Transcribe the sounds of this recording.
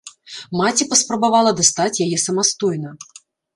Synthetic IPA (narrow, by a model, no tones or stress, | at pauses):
mat͡sʲipɐspɾɐbavalˠɐd̪ast̪at͡sʲjajɛsɐmast̪ɔjnɐ